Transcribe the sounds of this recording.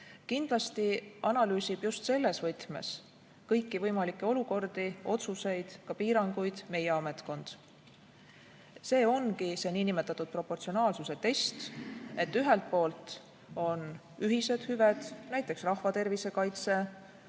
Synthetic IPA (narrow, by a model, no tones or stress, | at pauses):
kind̪̥lɑst̪iʔɑnɑlyːsib̥just̪se̞lːe̞svɤjt̪me̞̰s | kɤjkːivɤjmɑlikˑːe̞o̞luko̞rd̪̥io̞t̪suse̞jd̪̥kɑpiːɾɑŋɡujd̪̥me̞je̞ɑme̞t̪ko̞nd̪̥ | se̞ːo̞nkise̞niːnimet̪ːˑɑt̪ːˑud̪̥̚pro̞pːˑo̞rt̪sionɑːlsuse̞t̪e̞st̪e̞t̪ːˑyɦe̞lt̪̚po̞ːlt̪ | o̞n | yɦise̞d̪̥hyved̪̥næjt̪ːˑe̞ksrɑhvɑt̪e̞rvise̞kɑjt̪se̞